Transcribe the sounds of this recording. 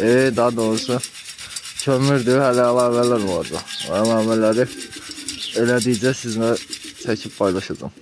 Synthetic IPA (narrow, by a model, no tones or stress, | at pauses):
ed̪ɑd̪oɾusɯ | cʰømyɾd̪ihælæːlˠɑːvælæɾolˠɑ̰ɾd͡ʒ̪ɑ̰ælˠɑːvælæɾi | elæd̪ijd͡ʒɛsizŋæt͡ʃ̪ʰæcʰip̚pʰɑjlˠɑʃɑd͡ʒɑ̰m